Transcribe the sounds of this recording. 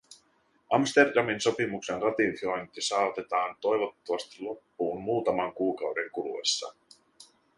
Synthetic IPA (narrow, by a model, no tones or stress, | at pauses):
ʔɑmst̪erdɑminso̞pimuksenrɑt̪infojnt̪ːisɑːot̪et̪ɑːnt̪o̞jʋot̪ːoʋɑst̪i̥lo̞pːuːnmuːt̪ɑmɑŋkuːkɑwɾe̞ŋkulṵḛsːɑ̰